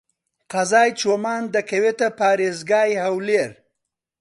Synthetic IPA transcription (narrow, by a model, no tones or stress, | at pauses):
qazɑːjt͡ʃwomɑːnd̪əkewet̪apɑːɾezɡɑːjhawleɾ